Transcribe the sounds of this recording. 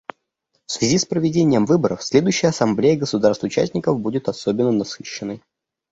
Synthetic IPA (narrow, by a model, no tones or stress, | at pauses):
fsvʲɪzʲispɾəvʲɪdʲenʲɪjəmvɨbəɾəfsʲlʲe̞d̪ʊjɕːɪjəɐsɐmblʲejəɡəsʊd̪arst̪vʊt͡ɕæ̰sʲnʲɪkəfbudʲɪt̪ɐsobʲɪnːənɐsɨɕːɪnːəj